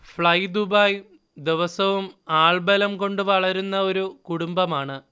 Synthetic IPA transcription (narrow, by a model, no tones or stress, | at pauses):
fɭɐjd̪ubɐj | d̪iʋɐsɐʋumaːɭbɐlɐmko̞ɳɖɨʋɐɭɐɾunːɐo̞ɾukuɽumbɐmaːɳɨ